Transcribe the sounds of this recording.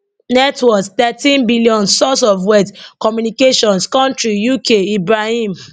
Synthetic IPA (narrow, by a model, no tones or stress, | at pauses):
nɛtʰwɔktɛtĩnbilijɔ̃nsɔsɔvwɛtkɔmjunikeʃɔ̃nskɔ̃ntɹijukʰeibɹahĩm